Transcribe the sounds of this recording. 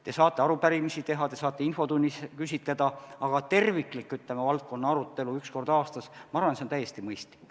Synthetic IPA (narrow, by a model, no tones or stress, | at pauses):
t̪e̞sɑːt̪ːˑe̞ɑɾupæɾimisit̪e̞ɦɑt̪e̞sɑːt̪ːˑeinfo̞t̪unʲːiskysʲit̪ˑle̞d̪̥ɑɑɡ̥ɑt̪e̞rvikːˑlikːˑyt̪lemevɑlt̪̚ko̞nːɑɑɾut̪ːe̞luyksko̞rd̪̥ɑːst̪ɑsmɑɑrvɑnseont̪æjːe̞st̪imɤjst̪lik